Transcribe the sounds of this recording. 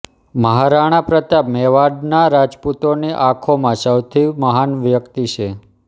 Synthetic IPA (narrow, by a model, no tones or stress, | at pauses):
məɦaɾaɽ̃ãpɾət̪amɛʋaɖnaɾad͡ʒput̪oniʔãkʰomãsəwt̪ʰiməɦanʋjəkt̪it͡ʃʰe